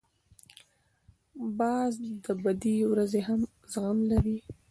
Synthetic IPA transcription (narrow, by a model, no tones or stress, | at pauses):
bɑzd̪əbad̪iwɾazeɦam | zɣamlaɾi